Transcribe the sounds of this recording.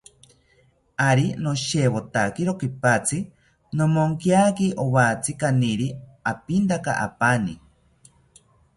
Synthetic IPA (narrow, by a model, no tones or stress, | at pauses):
aɾinoʃewot̪akiɾokipat͡sʰi | nomoŋkjaːkiʔowat͡sʰikaniɾiapint̪aka̰ʔa̰pani